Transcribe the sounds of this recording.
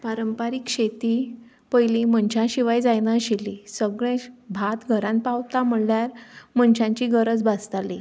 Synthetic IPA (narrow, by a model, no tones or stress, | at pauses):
paɾəmpaɾikɕet̪i | pəjlim̤əɳɕãɕiʋajd͡zajnaɕilisəɡɭẽbʱat̪ɡʱəɾãn̚pawt̪am̤əɽljaɾm̤ənɕãɲt͡ɕiɡəɾəd͡zbast̪ali